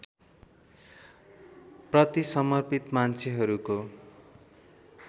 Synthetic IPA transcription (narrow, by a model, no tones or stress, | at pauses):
prʌt̪isʌmʌrpit̪mant͡sʰeɦʌɾuko